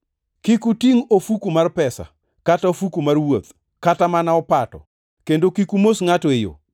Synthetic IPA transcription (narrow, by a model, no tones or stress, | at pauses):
kikutiŋofukumarpɛsa̰ | kataofukumarwot̪ | katamanaɔpatɔ̰ | kendokikumosŋatoejo̰